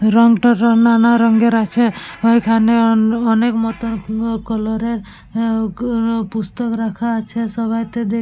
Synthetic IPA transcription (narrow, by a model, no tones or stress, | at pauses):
ɾɔŋɡʈɔɾɔnanaɾɔŋɡeɾat͡ʃʰeɔikʰaneɔnekmɔt̪ɔnkɔlɔɾeɾ | pust̪ɔkɾakʰaːt͡ʃʰesɔbajt̪ed̪e